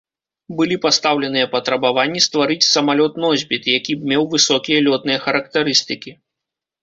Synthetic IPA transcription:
bɨlʲipast̪awlʲɛnɨjɐpɐt̪ɾɐbavanʲːist̪vaɾɨt͡sʲsɐmalʲɔt̪nɔzʲbʲit̪jakʲibmʲɛwvɨsɔkʲijɐlʲɔt̪̚nɨjɐxɐɾɐkt̪ɐɾɨst̪ɨkʲi

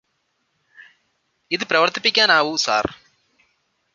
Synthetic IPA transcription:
iðɨpɾɐʋɐrt̪ipːikʲːaːnaːʋusa̰ːr

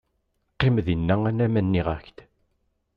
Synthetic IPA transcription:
qːemðinːæænæmænːiʁæçt̪

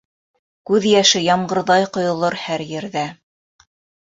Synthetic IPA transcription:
kʉðjæʃɘjɑmɢɤ̆ɾðɑjqŏjŏlˠoɾhæɾjɘ̆ɾðæ

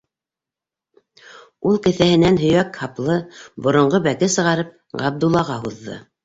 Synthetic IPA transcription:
ulˠkɘ̆θæhɘ̆nænɦɵ̆jækhɑplˠɤbŏɾŏɴɢɤbækɘsɤ̆ʁɑɾɤp̚ | ʁɑb̚d̪ulˠːɑʁɑɦuðːɤ̰

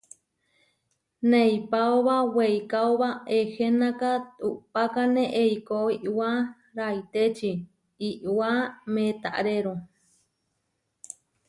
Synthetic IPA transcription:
nejpaoβawejkaoβaehenakat̪upakaneʔeikoiʔwa | ɾait̪et͡ʃi | iʔwamẽt̪aʔɾeɾo

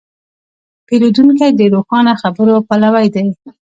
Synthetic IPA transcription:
pelod̪unkajd̪əɾoxɑnaxabəɾopalawajd̪aj

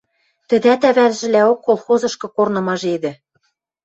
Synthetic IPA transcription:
t̪ɘ̆d̪æt̪æβælʒɘ̆læokːolˠxozɤ̆ʃkɤ̆kornɤ̆mɑʒed̪ɘ̆

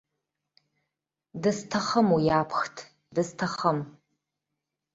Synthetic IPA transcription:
dɨstʰɐχəmujaːpʰxtʰ | dɨstʰɐχəm

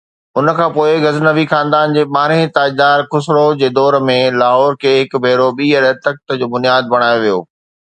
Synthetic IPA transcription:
ʊn̆kʰãːpoːɪɣɐznəʋixãːnd̪aːnd͡ʑeːɓaːɾẽt̪aːid̪aːɾkʊsɾod͡ʑeːd̪ɔːɾmẽlaːɦɔːɾkʰeːɦɪkbʱeːɾoɓiːɛɗət̪ək̚t̪əd͡ʑoːbʊnijaːd̪̚bɐɽ̃aːjoʋijo̰ː

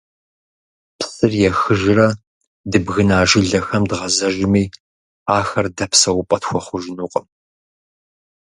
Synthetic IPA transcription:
pʰsɨrjɛxɨʒɪrɐ | dɨbɣɨnaːʒɪɮɐxɐmdʁɐzɐʒɪmiː | aːxɐrdɐpsɐwʊpʼɐtxʷɔχʷʊʒɪnuːqʼəm

